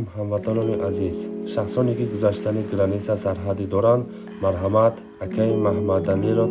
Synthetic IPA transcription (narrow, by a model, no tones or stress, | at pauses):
mhamvat̪ʰanɔniʔazizʃaχsɔnikiɡuzaʃt̪ʰaniɡɾanisasaɾɦad̪id̪ɔɾand̪ | maɾɦamat̪ | hakʰaimahmad̪aniɾɔ